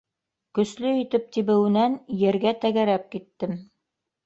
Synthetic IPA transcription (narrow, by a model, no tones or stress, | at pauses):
kɵ̆slɵit̪ɘp̚t̪iβɘ̆wɘ̆nænjɘ̆ɾɡæt̪æɡæɾæp̚kit̪ːɘm